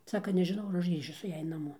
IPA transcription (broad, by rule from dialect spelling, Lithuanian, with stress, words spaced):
ˈsɑːkɐ nʲɛʒʲɪˈnɐʊ ɐr ˈɐʃ ˈɡrʲiːʃʲʊ sʊ ˈjæːj nɐˈmoː